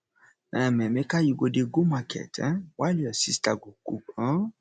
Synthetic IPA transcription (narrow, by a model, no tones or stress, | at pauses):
ɛ̃mɛ̃mɛ̃kajiɡodeɡomakɛ̰tɛ̰̃waliɔsistaɡokuã